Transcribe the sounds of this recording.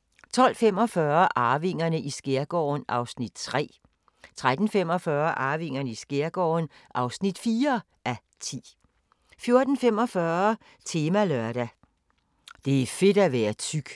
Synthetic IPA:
t͡sʰɒ̽l̰fem̰ɒ̽fɶːɐʔɑ̈ːʋe̝ŋ̰ɐnəʔisɡ̥eɐɡ̥ɒ̰ːnʔɑ̈ʊsnid̥t͡sʰʁɛ̰ː | t͡sʰʁad̥n̩fem̰ɒ̽fɶɐʔɑ̈ːʋe̝ŋ̰ɐnəisɡ̥eɐɡ̥ɒ̰ːnʔɑ̈ʊsnid̥fiːɐ | ʔæ | t͡sʰḭː | fjo̝ɐd̥n̩fem̰ɒ̽fɶːɐɐ | t͡sʰe̝ːmælœɐɾ̥æ | d̥e̝æfe̝d̥æʋæːɐt͡sʰyɡ̥

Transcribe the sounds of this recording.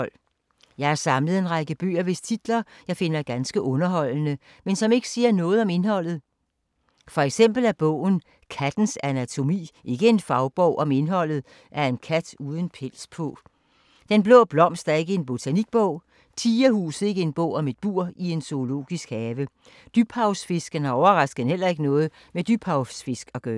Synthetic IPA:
l̰ | jɑ̈ɪæɐsɑ̈mləð̩ˠe̝nʁɑ̈ɡ̥əb̥ø̰ːɐʋe̝st͡sʰid̥lɐjɑ̈ɪfe̝nɐɡ̥ænsɡ̥əʔɔ̽nɐɦɒ̽l̰nə | mensɒ̽me̝ɡ̥ə̥siːɐnɔ̽ːð̞̩ˠɒ̽me̝nhɒ̽l̰ð̩ˠ | fɒ̽eɡ̥sem̰b̥l̩æb̥ɔ̰̽ːʊ̰n̩ | kʰæd̥n̩sænæt͡sʰo̝mḭːʔe̝ɡ̥əe̝nfɑ̈ʊb̥ɒʊ̰ʔɒ̽me̝nɦɒ̽l̰ð̩ˠ | ʔæɐe̝nkʰæd̥uːð̞ˠən̩pʰel̰spʰɔ̰̽ | d̥enb̥lɔ̰̽ːb̥lɒ̽m̰sd̥æɐe̝ɡ̥əe̝nb̥o̝t͡sʰæniɡ̥̚b̥ɔʊ̰ | t͡sʰiːɐhṵːs̩ˠe̝ɡ̥əe̝nb̥ɔ̰̽ʊ̰ɒ̽me̝d̥̚b̥uɐ̰ie̝nso̝o̝lo̝̰ːɡ̥isɡ̥hɛːʋə | d̥yb̥hɑ̈ʊsfe̝sɡ̥ənæɒʊɐʁɑ̈sɡ̥ðnhel̰ɐe̝ɡ̥ənɔ̽ːð̞̩ˠ | med̥yb̥hɑ̈ʊsfe̝sɡ̥ɒ̽ɡ̥œː

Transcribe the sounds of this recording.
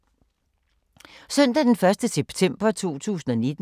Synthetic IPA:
sœn̰d̥æd̥enfɶɐsd̥əseb̥t͡sʰem̰b̥ɐt͡sʰo̝̰ːt͡sʰṵːsn̩ɒ̽ne̝d̥

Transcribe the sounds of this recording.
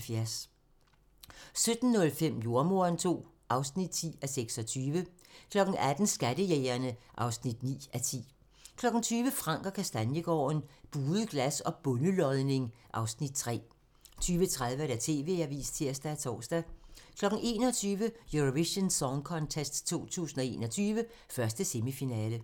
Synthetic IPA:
fjæɐs | sød̥n̩nɔ̽lfem̰jo̝ɐmo̝ɐnt͡sʰo̝̰ː | ʔɑ̈ʊsnid̥̚t͡sʰḭːæseɡ̥sɒ̽t͡sʰyːʋə | kʰlɒ̽ɡ̥n̩æd̥n̩sɡ̥æd̥əjeːɪɐnəʔɑ̈ʊsnid̥nḭːʔæt͡sʰḭː | kʰlɒ̽ɡ̥n̩t͡sʰyːʋəfʁɑ̈ŋ̰ɡ̥ɒkʰæsd̥ænjəɡ̥ɒ̰ːnb̥uːðˠəɡ̥læsɒ̽b̥ɔ̽nəlɒ̽ðˠne̝ŋʔɑ̈ʊsnid̥̚t͡sʰʁɛ̰ː | t͡sʰyːʋət͡sʰʁaðˠʋəɾ̥æt͡sʰe̝̰ːʋe̝̰æɐʋḭːst͡sʰeɐ̰sd̥æt͡sʰɒ̰ːsd̥ækʰlɒ̽ɡ̥n̩e̝̰ːnɒ̽t͡sʰyːʋəjøʁoʋiɕənsɒŋkʰɒ̽nt͡sʰesd̥t͡sʰo̝̰ːt͡sʰṵːsn̩ɒ̽e̝̰ːnɒ̽t͡sʰyːʋə | fɶɐsd̥əsemifinɛːlə

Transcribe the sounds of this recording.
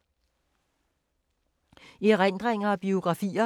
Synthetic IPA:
iʁen̰d̥ʁeŋɐɒ̽b̥io̝ɡ̥ʁɑ̈fḭːɐ

